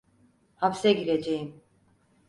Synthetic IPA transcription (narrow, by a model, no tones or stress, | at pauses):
hapsɛɟiɾed͡ʒejim